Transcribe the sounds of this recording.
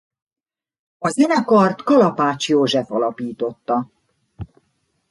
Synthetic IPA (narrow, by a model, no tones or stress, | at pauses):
ɒzɛnɛkɒrt̪kɒlɒpaːt͡ʃjoːʒɛfɒlɒpiːt̪o̞t̪ːɒ